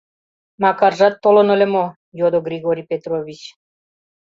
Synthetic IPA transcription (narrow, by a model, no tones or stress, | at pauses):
makaɾʒat̪ːolɔnolɛmo | jod̪ɔɡɾiɡoɾipet̪ɾoʋit͡ɕ